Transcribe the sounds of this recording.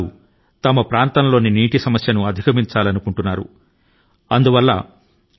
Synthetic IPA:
u | t̪ɐmɐpɾaːnt̪ɐnɐlo̞ːniniːʈisɐmɐsjɐnuɐd̪ʱikɐmiɲt͡ʃaːlɐnukuɳʈunːaːɾṵ | ɐnd̪uʋɐlːɐ̰

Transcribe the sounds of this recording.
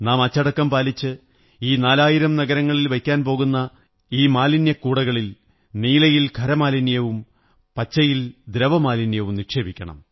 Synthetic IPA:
naːmɐt͡ɕːɐɽɐkːɐmpaːlit͡ɕːɨ | iːnaːlaːjiɾɐmnɐɣɐɾɐŋːɐɭilʋɐjkʲːaːnpo̞ːɣunːɐ | iːmaːlinjɐkːuːɽɐɣɐɭil | niːlɐjilkʰɐɾɐmaːlinjɐʋum | pɐt͡ɕːɐjild̪ɾɐʋɐmaːlinjɐʋumnikʂe̞ːbikʲːɐɳɐ̰m

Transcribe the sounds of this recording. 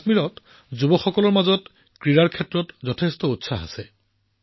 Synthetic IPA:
miɹɔt | zubɔxɔkɔlɔɹmazɔt | kɹiɹaɹkʰɛtɹɔtzɔtʰestɔutsaɦa̰sɛ

